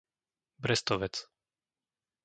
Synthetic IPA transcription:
bɾɛst̪ɔʋɛt͡s

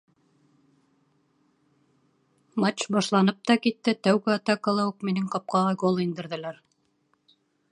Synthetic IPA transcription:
mat͡ɕbɑʃlˠɑnɤp̚t̪ɑkit̪ːɘt̪æwɡɘɑt̪ɑkəlˠɑuqminɘŋqɑp̚qɑʁɑɡolˠind̪ɘ̆ɾðɘ̆læɾ

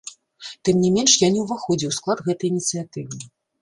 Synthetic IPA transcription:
t̪ɨmnʲɛmʲɛnʂjanʲɛwvaxɔd͡zʲiwsklˠad̪ɣɛt̪ɐjnʲit̪sɨjat̪ɨvɨ

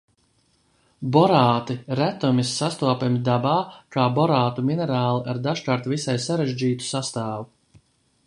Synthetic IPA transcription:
bɔɾaːt̪iɾæt̪umʲisːast̪uɔpʲemʲid̪abaːkaːbɔɾaːt̪uminɛɾaːlˠiʔaɾd̪aʃkaːɾt̪visajsaɾeʒd͡ʒiːt̪u̥sast̪aːvu

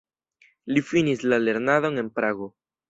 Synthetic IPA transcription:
lifinislale̞ɾnaðo̞ne̞npɾaɡo

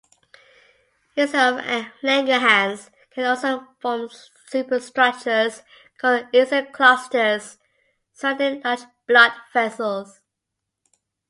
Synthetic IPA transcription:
jʉsəvlæ̃ŋɡəɦæ̃nz̥ | kʰə̃nɔlˠsoʊfɔm | sʉpəstɹ̥ʌk̚t͡ʃəz̥ | kʰɔdjʉzəkʰl̥astəz̥ | sətə̃ndʌt͡ʃ | b̥lʌdvɛsəlˠz̥

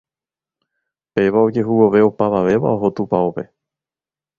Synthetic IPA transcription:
pe̞ʋaod͡ʒe̞ɦuwo̞ʋe̞opaʋaʋe̞ʋa̰o̞ɦo̞t̪upaope̞

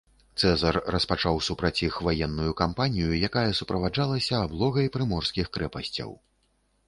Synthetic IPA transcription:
t̪sɛzɐrːɐspat͡ʂawsupɾɐt͡sʲixvajɛnːujukampanʲijujakajɐsupɾɐvad͡ʐalˠɐsʲɐːblˠɔɣɐjpɾɨmɔrskʲixkɾɛpɐsʲt͡sʲɐ̰w

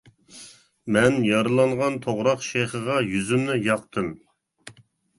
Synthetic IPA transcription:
mɛnjɑɾɨlˠɑɴʁɑnt̪ʰoʁɾɑqʃejχəʁɑjyzymnɪjɑqt̪ʰɨm

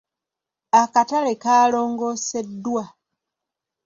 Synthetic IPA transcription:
akatalekaːlo̞ːŋɡo̞se̞dːwa

